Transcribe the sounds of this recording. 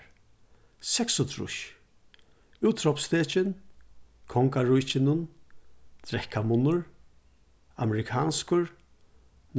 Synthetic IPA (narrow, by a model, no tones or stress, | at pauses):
sɛksʊt̪ʰɾʊ̰ʃ | ʉːt̪ʰɾɔpst̪eːt͡ʃɪn | kʰɔŋkaɹʊjt͡ʃɪnʊn | t̪ɾɛhkamʊnʊɹ | a̰mɛɾɪkʰaːnskʊɹ | n